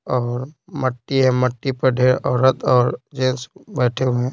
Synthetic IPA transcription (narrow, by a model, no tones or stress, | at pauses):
ɔːɾməʈːiɦɛ̃məʈːipɐɾɖʱeːɾɔːɾət̪ɔːɾd͡ʒẽːsbɛːʈʰeẽ